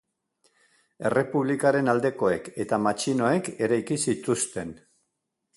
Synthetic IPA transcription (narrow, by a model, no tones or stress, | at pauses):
e̞re̞puβlikaɾe̞nald̪e̞ko̞e̞ke̞t̪amat͡ʃino̞e̞ke̞ɾajkisit̪ust̪e̞n